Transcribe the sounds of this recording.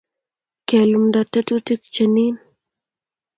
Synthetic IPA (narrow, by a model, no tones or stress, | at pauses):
kelumɖat̪et̪ut̪ikt͡ɕɐnin